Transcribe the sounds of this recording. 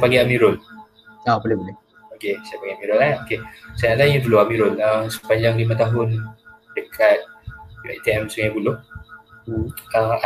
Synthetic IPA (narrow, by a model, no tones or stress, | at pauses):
paɡiamiɾʊn | abolɪbolɪ | okesajapaɡiamiɾʊnaokesajaʔlaiɲuduloamiɾʊnəmsə̥paɲd͡ʒaŋlimə̃t̪aɦʊndəkʰat̪̚jua̰t̪iɛmsəŋajbulʊh | əa